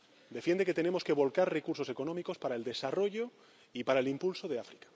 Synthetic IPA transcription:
d̪e̞fje̞nd̪e̞ke̞t̪e̞ne̞mo̞ske̞β̞o̞lkaɾre̞kuɾso̞se̞ko̞nomiko̞spaɾaeld̪e̞saro̞ʝo̞ | ipaɾaelimpulsoðe̞afɾikḁ

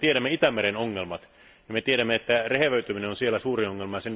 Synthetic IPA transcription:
t̪ieɾæmːeit̪æmːeɾenoŋːelmɑt̪ | nimet̪ieɾæmːeet̪ːæreheʋøyt̪yminenonsielːæsuːrioŋːelmɑjɑsen

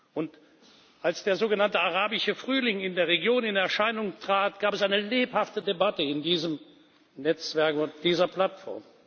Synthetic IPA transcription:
ʔʊnt | ʔalsd̥eːɐzoːɡənantəaʁaːbɪʃəfʁ̥yːlɪŋɪndeːɐʁeɡjoːnɪnɛɐʃaɪnʊŋtʁ̥aːtɡ̥aːpɛsaɪnəleːphaftədebatəɪndiːzəm | nɛt͡sv̥ɛɐkʊntd̥iːzɐpl̥atfɔ̰ɐm

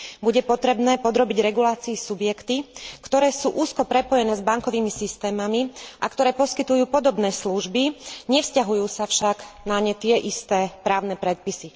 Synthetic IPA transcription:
buɟɛpɔt̪ɾɛbnɛːpɔd̪ɾɔbiɟɾɛɡulaːt͡siːsubjɛkt̪ikt̪ɔɾɛːsuːʔuːskɔpɾɛpɔjɛnɛːzbaŋkɔʋiːmisist̪ɛːmamiʔakt̪ɔɾɛːpɔskit̪ujuːpɔd̪ɔbnɛːsluʒbiɲɛfscaɦujuːsafʃaɡnaɲɛt̪ɪɛʔist̪ɛːpɾaːʊnɛpɾɛt̪̚pisi

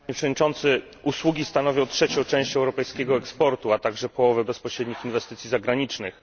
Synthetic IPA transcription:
ɲɛpʂɛvɔd̪ɲʲit͡ʂɔnt̪sɘ | uswuɡʲist̪anɔvʲjɔ̃w̃tʂɛt͡ɕɔ̃w̃t͡ʂɛ̃w̃ɕt͡ɕɛwɾɔpɛjskʲɛɡɔɛkspɔɾt̪uat̪aɡʐɛpɔwɔvɘbɛspɔɕɾɛd̪ɲixinvɛst̪ɘt̪sʲjizaɡɾaɲit͡ʂnɘx

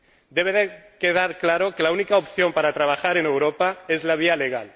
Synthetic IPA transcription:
d̪eβeðekeð̞aɾklaɾokelaunikaopθjo̞mpaɾat̪ɾaβ̞axaɾenewɾopaezlaβ̞ialeɣa̰l

